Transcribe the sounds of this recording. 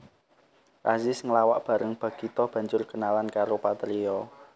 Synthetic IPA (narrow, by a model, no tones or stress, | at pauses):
razɪsŋəlawaʔb̥ä̤ɾʔəŋb̥ä̤ɡ̥it̪ɔb̥ä̤ɲd͡ʒʊrɡ̥ənalankaɾopat̪ɾiɔ